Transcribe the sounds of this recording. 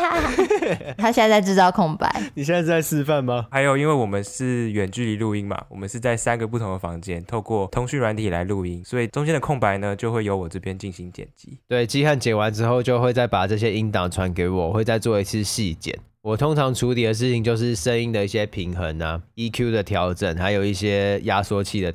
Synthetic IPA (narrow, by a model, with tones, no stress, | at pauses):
t̪ʰa˥ɕjɛ˥˧˥t͡sa˥˧ɪʈ͡ʂɻ̩˥˧t̪ɑ˥˧ʊkʰʊ˥˩ŋpa̰˧˦ɪni˨˩ɕ̬jɛ˥na˥˧t͡sa˥ɪʂɻ̩˥fa˥˨˩nma˨xa˧˥ɪjo˨˩ʊi˥nwe˥˩ɪwɔ˨˩mə˦nʂɻ̩˥˩ɥɛ˨˩nt͡ɕy˥˩li˧˦lu˥˧i˥ŋma̰˨wɔ˨˩mə˦nʂɻ̩˥˧t͡sa˥˩ɪsa˦nɡə˨p̬u˥˩t̪ʰʊ˧˥ŋd̪ə˨˩fɑ̰˧˥ŋt͡ɕjɛ˥nt̪ʰo˥˧ʊkwɔ˥˩t̪ʰʊ˧˥ŋɕy˥˩nɻwa˧˥nt̪ʰi˨˩la̰˧˦ɪlu˥˩i˥ŋswɔ˧˥i˨˩ʈ͡ʂʊ˥ŋt͡ɕjɛ˥nd̪ə˨kʰʊ˥˩ŋpa˧˦ɪnə˧t͡ɕjo˥˧ʊxwe˥˩jo˧˥ʊwɔ˨˩ʈ͡ʂɤ˥˧pʰjɛ˥nt͡ɕi˥˩nɕi˧˥ŋt͡ɕjɛ̰˨˩nt͡ɕḭ˧˦t̪we˥˩ɪt͡ɕi˥xa˥˩nt͡ɕjɛ˨˩nwa˧˦nʈ͡ʂɻ̩˥xo˥˧ʊt͡ɕjo˥˧ʊxwe˥˧ɪt͡sa˥˩ɪpa˨˩ʈ͡ʂɤ˥˩ɕ̬jɛ˦i˦˥nt̪ɑ˨˩ŋʈ͡ʂʰwa˧˦˥nk̬e˧˥ɪ˨wɔ˨˩xwe˥˧ɪt͡sa˥˧ɪt͡swɔ˥˧i˧˥t͡sʰɹ̩˥˧ɕi˥˧t͡ɕjɛ̰˨˩˦n | wɔ˨˩t̪ʰo˥ŋʈ͡ʂʰɑ˧˥ŋʈ͡ʂʰu˨˥t̪ʰi˨d̪ə˨ʂ̬ɻ̩˥˩t͡ɕʰi˨˩ŋt͡ɕjo˥˧ʊʂ̬ɻ̩˥˩ʂə˦˥ŋi˥nd̪ə˨˦i˥˩ɕjɛ˦˥pʰi˧˥ŋxə˧˦na˦i˥kʰju˥d̪ə˨t̪ʰjɑ˧˥ʊʈ͡ʂə˨˩nxa˧˥ɪjo˨˩ʊi˥˩ɕjɛ˦˥ja˦swɔ˥t͡ɕʰi˥˩d̪ə˨˩